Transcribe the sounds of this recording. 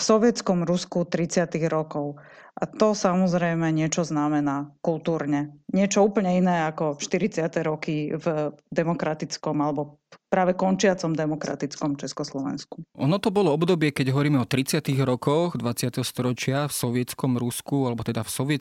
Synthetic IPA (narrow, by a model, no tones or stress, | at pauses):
fsɔʋɪɛt͡skɔmɾuskut̪ɾit͡sɪat̪iɣɾɔkɔʊ | ʔat̪ɔsamɔzɾɛjmɛɲɪɛt͡ʃɔznamɛnakulˠt̪uːɾɲɛɲɪɛt͡ʃɔuːpl̩ɲɛinɛːakɔʃt̪iɾit͡sɪat̪ɛɾɔkivd̪ɛmɔkɾat̪it͡skɔmalɛbɔ | pɾaːʋɛkɔnt͡ʃɪat͡sɔmd̪ɛmɔkɾa̰t̪it͡skɔmt͡ʃɛskɔslɔʋɛ̰nsku̥ʔɔnɔt̪ɔbɔlɔɔbd̪ɔbɪɛkɛɟɦɔʋɔɾiːmɛɔt̪ɾit͡sɪat̪iɣɾɔkɔɣd̪ʋat͡sɪat̪ɛɦɔst̪ɔɾɔt͡ʃɪafsɔʋɪɛt͡skɔmɾuskualɛbɔt̪ɛd̪afsɔʋɪɛ